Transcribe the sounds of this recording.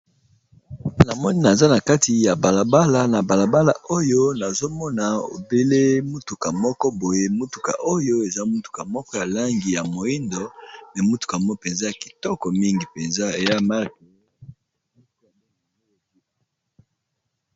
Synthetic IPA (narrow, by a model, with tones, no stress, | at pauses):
na˨mɔ˦ni˦na˨za˦na˨ka˦ti˨ja˨ba˨la˨ba˦la˦na˨ba˨la˨ba˦la̰˨ʔo˦jo˦na˨zo˦mɔ˦na˨o̰˨be˦le˦mu˦tu˨ka˨mɔ˦kɔ˦bo˨je˦mu˦tu̥˨ka̰˨ʔo˦jo˦e˨za˦mu˦tu̥˨ka˨mɔ˦kɔ˦ja˨la˦ŋɡi˨ja˨mo˨i˦ndo˨nɛ˨mu˦tu̥˨ka˨mɔ˦pe˨nza˦ja˨ki̥˨tɔ˦kɔ˨mi˦ŋɡi˨pe˨nza˦e˨ja˦ma˦ʁk